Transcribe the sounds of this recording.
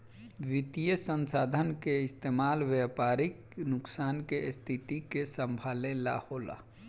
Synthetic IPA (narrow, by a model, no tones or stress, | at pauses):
ʋit̪ijəsənsaːd̪ʱənkeɪst̪emaːlʋjapaːɾik | nʊksaːnkest̪ʰit̪ikesəmbʱalela̰hola̰